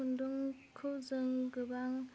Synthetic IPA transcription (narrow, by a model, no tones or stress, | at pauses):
unduŋkʰɯwzɯŋɡɯbaŋ